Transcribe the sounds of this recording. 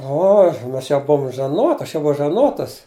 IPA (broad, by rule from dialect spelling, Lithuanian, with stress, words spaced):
ˈoːx ˈmɐs jɛʊ ˈbʊʊm ʒɐˈnoːt ˈɐʃ jɛʊ ˈbʊʋɐʊ ʒɐˈnoːtɐs